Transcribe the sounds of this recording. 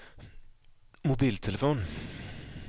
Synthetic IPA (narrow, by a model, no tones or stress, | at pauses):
mʊbiːlt̪ʰɛləfoːn